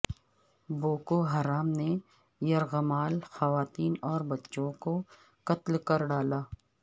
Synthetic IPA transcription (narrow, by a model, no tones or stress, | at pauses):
boːkoɦɐɾaːmne | jɐɾɣəmaːlxɐʋaːt̪iːnɔːɾbɐtːʃõko | kɐt̪lkɐɾɖaːlaː